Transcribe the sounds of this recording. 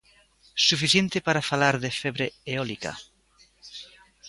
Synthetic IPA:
sufiθjent̪ɪpaɾafalaɾðefeβɾeeolika̰

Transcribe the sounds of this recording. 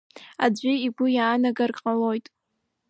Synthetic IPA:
a̰d͡ʒʷɪiɡʷʊjaːnaɡarqʼalo̞jtʼ

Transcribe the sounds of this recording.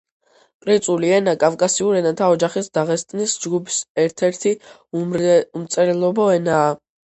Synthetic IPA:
kʼɾit̪sʼuliɛnakʼafkʼasiuɾɛnat̪ʰaɔd͡ʒaχisd̪aʁɛst̪ʼnisd͡ʒɡupʰi̥sɛɾt̪ʰɛɾt̪ʰi | mt̪sʼɛɾɛlˠɔbɔɛnaː

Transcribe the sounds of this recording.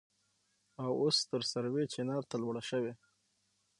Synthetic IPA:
awost̪əɾsaɾwet͡ʃenɑɾt̪alwɽaʃəwe

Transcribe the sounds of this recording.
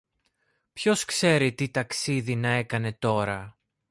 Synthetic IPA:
pço̞skse̞ɾit̪it̪ɐksiðinɐe̞kɐne̞t̪o̞ɾɐ

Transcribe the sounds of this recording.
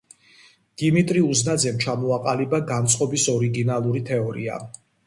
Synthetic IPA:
d̪̥imit̪ʼɾiuznad̪zɛmt͡ʃʰamɔaqʼalibaɡant̪sʼqʼɔbisɔɾiɡinalˠuɾit̪ʰɛɔɾḭa̰

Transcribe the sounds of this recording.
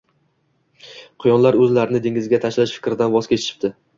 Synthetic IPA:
qʰɨjɒnlaɾɵzlaɾɪnɪd̪eŋʲɪzɡʲat̪ʰaʃlaʃfɪ̥kʲɾɪd̪anvɒz̥kʲʰet͡ʃʰɪ̥ʃɪ̥p̚t̪ɪ

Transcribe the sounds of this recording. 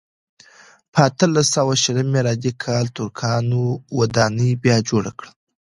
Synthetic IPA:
pʰəat̪əlasawaʃələmːeɾɑd̪ikʰɑlt̪ʊɾkʰɑnowad̪ɑnəjbjɑd͡ʒoɽa̰kɽə

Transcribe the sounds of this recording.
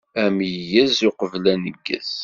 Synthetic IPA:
æmjəjæzʊqəvlænəɡːə̰z

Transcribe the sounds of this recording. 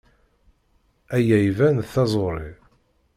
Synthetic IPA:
æjæjvænθɑzˤoɾˤi

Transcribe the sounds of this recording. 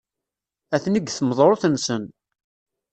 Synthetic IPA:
æθniɡθəməðˤɾˤoθənsən

